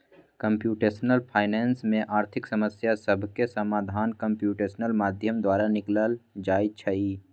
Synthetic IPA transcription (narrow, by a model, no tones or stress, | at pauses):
kə̃mpjuːʈeːsnəlpʰaːɪnɛːnsmẽʔaːɾt̪ʰɪksɐməsjasəbʱkesəmaːd̪ʱaːnkə̃mpjuːʈeːsnəlmaːd̪ʱjəmd̪waːɾanɪkləld͡ʒaːit͡ʃʰɐiː